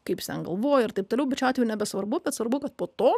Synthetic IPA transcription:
kɐɪpsʲɛ̰nɡɐlˠʋoːjɛɪrt̪ɐɪpt̪oːlʲɛʊbʲɛtt͡ʃʲɑtʲʋʲɛjnʲɛbʲɛsʋɐrbʊbʲɛt̪sʋɐrɾbʊkɐt̪poːt̪oː

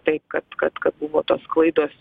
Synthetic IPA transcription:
t̪ɐɪp̚kɐt̪kɐt̪kɐt̪̚bʊʋoːt̪oːsklˠɐɪd̪oːs

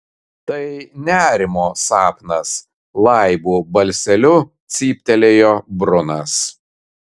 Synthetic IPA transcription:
t̪ɐɪnʲæːɾʲɪmoːsɑːpnɐs | lˠɐˑɪbuːbɐlʲsʲɛlʲʊt̪sʲiːpʲt̪ʲɛlʲeːjoːbɾʊnɐs

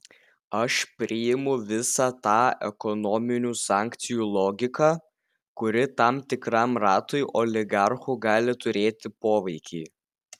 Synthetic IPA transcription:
ɐʃpʲɾʲɪjɪmʊʋʲɪsɑt̪ɑːɛkɔnɔmʲɪnʲuːsɑːˑŋʲkt̪sʲɪjuːlˠɔːɡʲɪkɑː | kʊɾʲɪt̪ɑmt̪ʲɪkɾɑmɾɑːt̪ʊɪʔɔlʲɪɡɑɾxʊɡɑːlʲɪt̪ʊɾʲeːt̪ʲɪpoːʋɐɪkʲɛɪ

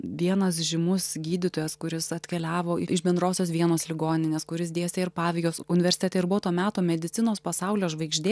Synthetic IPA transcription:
ʋʲiɛnɐs̬ʒʲɪmʊsɡʲiːd̪ʲɪt̪oːjɛskʊɾʲɪsɐt̪ʲkʲɛlʲæːʋoːʔɪɪʃbʲɛnd̪ɾoːsʲoːsʋʲiɛnoːslʲɪɡoːnʲɪnʲeːskʊɾʲɪsd̪ʲeːsʲeːɪɾpɑːʋʲɛɪɡʲoːsʊnʲɪʋʲɛɾʲsʲɪt̪ʲɛt̪ɛɪɾbʊʋoːt̪oːmʲæːt̪oːmʲɛd̪ʲɪt̪ʲɪnoːspɐsɐʊlʲoːʒʋɐɪɡʒʲd̪ʲeː

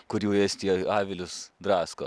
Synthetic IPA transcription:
kʊɾjuːeːsʲt̪ʲiɛɑːʋʲɪlʲʊsd̪ɾɑːsko

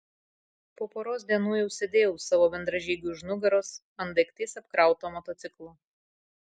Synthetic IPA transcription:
poːpoːɾoːs̬ʲd̪ʲiɛnuːjɛʊsʲɛd̪ʲeːjɛʊsɑːʋoːbʲɛnd̪ɾɐʒʲiːɡʲuːʒnʊɡɐɾoːs | ɐnd̪ɐɪkt̪ʲːsɐpkɾɑˑʊt̪oːmɔt̪ot̪sʲɪklˠoː

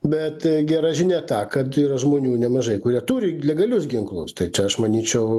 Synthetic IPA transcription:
bʲɛt̪ɡʲæɾɑːʒʲɪnʲæt̪ɑːkɐt̪iːɾɐʒmoːnʲuːnʲɛmɐʒɐɪkʊɾʲiɛt̪uːɾʲɪlʲɛɡɐlʲʊsɡʲɪŋklˠʊst̪ɐɪt͡ʃʲɛɐʃmɐnʲiːt͡ʃʲɛʊ

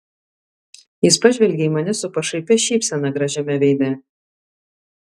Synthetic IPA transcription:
jɪspɐʒʲʋʲɛlʲɡʲɛimɐnʲɪsʊpɐʃɐɪpʲɛʃʲiːpʲsʲɛnɐɡɾɐʒʲɛmʲɛʋʲɛɪd̪ʲɛ

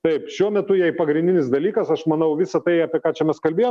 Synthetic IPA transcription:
t̪ɐɪpʃʃʲuɔmʲɛt̪ʊjɛɪpɐɡɾʲɪnʲd̪ʲɪnʲɪsd̪ɐlʲiːkɐsɐʃmɐnɐʊʋʲɪsɐt̪ɐɪɑpʲiɛkɑːt͡ʃʲɛmʲɛskɐlʲbʲeːjoː

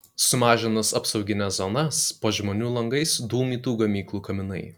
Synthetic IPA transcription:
sʊmɑːʒʲɪnɐsɐpsɐʊɡʲɪnʲɛszɔnɐspoːʒʲmoːnʲuːlˠɐŋɡɐɪsd̪uːmʲiːt̪uːɡɐmʲiːklˠuːkɐmʲɪnɐɪ

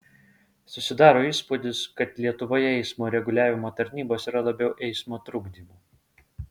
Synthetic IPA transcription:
sʊsʲɪd̪ɑːɾoːiːspʊd̪ʲɪskɐt̪lʲiɛt̪ʊʋoːjɛɛɪsmoːɾʲɛɡʊlʲæːʋʲɪmoːt̪ɐɾʲnʲiːboːsiːɾɐlˠɐbʲɛʊʔɛɪsmoːt̪ɾʊɡd̪ʲiːmuː

